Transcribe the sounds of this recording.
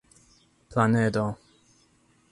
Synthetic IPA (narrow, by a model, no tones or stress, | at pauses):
pʰlanɛd̪o